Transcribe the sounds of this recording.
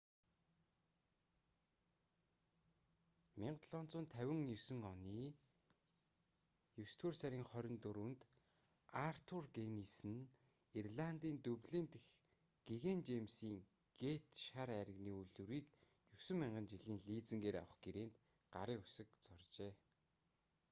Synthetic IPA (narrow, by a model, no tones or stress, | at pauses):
mʲiɴɢt̪ɮɔnt͡sʊːnt̪ʰːæwʲɪ̆ŋjɵsɵ̆ŋɔniː | jɵwst̪ʰuːrsæɾʲiːŋχœɾʲɪ̆nt̪uɾunt̪ | ar̥t̪ʰurɡenisɘ̆n | irɮant̪iːnt̪ɵwɮiːnt̪ex | ɡ̥eɣent͡ɕemsiːŋ | ɡ̥et̪ʃaɾæɾʲə̆ɣniːuɮuɾiːk | jɵsɘ̆mːiɴɢə̆nt͡ɕiɮiːnɮiːt͡sɘ̆ŋɡeːɾa̰wə̆χɡeɾeːnt̪ | ɢaɾiːʊsə̆kt͡sɔrt͡ɕeː